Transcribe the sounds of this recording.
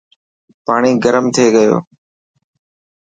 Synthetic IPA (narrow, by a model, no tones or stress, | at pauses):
paːɳ̃iːɡəɾəmt̪ʰeːɡəjo̰ː